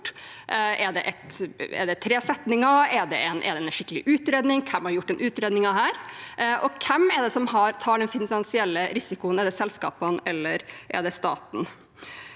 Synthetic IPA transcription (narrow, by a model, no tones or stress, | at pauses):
ʔɛɖ̪ɛʔɛt̪ɛ̰ɖ̪ɛt̪ʰɾeːsɛt̪nɪŋɑɛɖɛɛnʔɛ̰ɖ̪ɛɛʂɪkːəlɪ̰ʔʉːt̪ɾeːd̪nɪŋkʰɛmhɑɾjʊʈːɛnʔʉːt̪ɾeːd̪nɪŋɑɦæːɾʔɔkʰɛmɛɖ̪ɛsɔmhɑɾt̪ʰɑːɖɛnfɪnɑnsɪɛlːəɾɪsɪkʊənɛɖ̪ɛsɛlskɑ̰ːpənɛlːəɾʔɛ̰ɖ̪ɛst̪ɑ̰ːt̪n̩